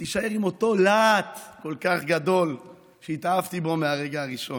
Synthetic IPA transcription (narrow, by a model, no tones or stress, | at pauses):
t̪iʃae̞ʁimo̞t̪o̞laːt̪ko̞lkaχɡad̪o̞l | ʃeit̪aavt̪ibo̞meaʁe̞ɡaːʁiʃo̞n